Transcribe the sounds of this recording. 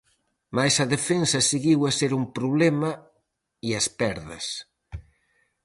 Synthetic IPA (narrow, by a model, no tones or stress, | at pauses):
majsɐðefensɐseɣiwɐseɾumpɾuβlɛmɐ | iɐspɛɾðɐ̰s